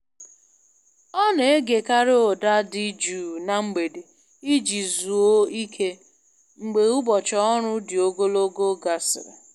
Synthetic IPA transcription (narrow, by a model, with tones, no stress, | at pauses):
ɔ˦ne˨e˦ɡe˨ka˦ɾɪ˦o˨da˦di˦d͡ʒuː˨na˨ŋ͡m̩˦ɡ͡be˨de˨ | i˦d͡ʒi˨zu˨o˦i˦kʰe˦ | ŋ͡m̩˨ɡ͡be˨u˦bɔ˨t͡ʃɔ˦ɔ˦ɾʊ˦dɪ˨o˦ɡo˦lo˦ɡo˦ɡa˨sɪ̰˨ɾḛ˨